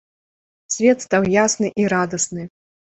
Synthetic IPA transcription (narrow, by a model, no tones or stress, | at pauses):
sʲvʲɛt̪st̪awjasnɨʔiɾad̪ɐsnɨ